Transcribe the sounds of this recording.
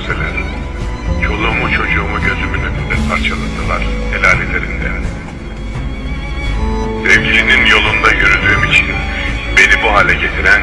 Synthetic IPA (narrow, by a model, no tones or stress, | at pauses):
selʲæɾ | t͡ʃʰo̞lˠuːmut͡ʃʰo̞d͡ʒuːmuɟø̞zymynøt̪ʰynd̪ɛpʰaɾt͡ʃʰalˠɯd̪ɯlˠaɾ̥elʲaːlʲet̪ʰeɾind̪ɛ̰ | sɛvɟilʲininjo̞lˠund̪ajyɾylʲd̪yːmit͡ʃʰinbe̞nibuɦaːlʲɛɟe̞t̪ʰiɾæn